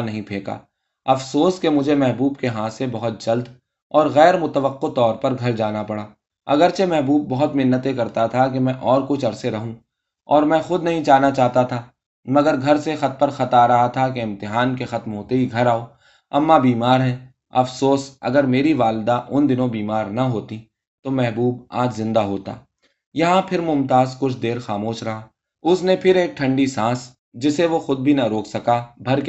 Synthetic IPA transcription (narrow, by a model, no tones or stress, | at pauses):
nɐɦĩpʰeːka̰ː | ɐfsoːskemʊd͡ʒʱemɛɦbuːbkeɦãːsebɐɦʊt̪̚d͡ʒɐld̪ | ɔːɾɣɛːɾmʊt̪əʋəqːot̪ɔːɾpɐɾɡʱɐɾd͡ʒaːnapɐɽaː | ɐ̰ɡəɾt͡ʃemɛɦbuːb̚ːɐɦʊt̪mɪnːət̪ekɐɾt̪at̪ʰakemɛ̃ʔɔːɾkʊt͡ʃʰɐɾseɾɐɦũ | ɔːɾmɛ̃ːxʊd̪nɐɦĩt͡ʃaːɦnat͡ʃaːɦt̪at̪ʰaː | mɐɡəɾɡʱɐɾsexɐt̪̚pɐɾxɐt̪aɾɐɦat̪ʰak̬eɪ̃mt̪ɪɦaːnkexɐt̪mɦoːt̪eɦiɡʱɐɾaːoː | ɐ̰mːabiːmaːɾɦɛː | ɐfsoːsɐ̰ɡəɾmeːɾiʋaːlɪd̪aʔʊnd̪ɪnõbiːmaːɾnɐɦoːt̪i | t̪omɛɦbuːba̰ːd͡ʒzɪ̃nd̪aɦoːt̪a̰ː | jɐɦãpʰɪɾmʊmt̪aːzkʊt͡ʃʰd̪eːɾxaːmoːʃɾɐɦaː | ʊsnepʰɪɾeːk̚ʈʰɐ̃ɳɖisãːs | d͡ʒɪseʋoxʊd̪̚bʱinaɾoːksɐkabʱɐɾk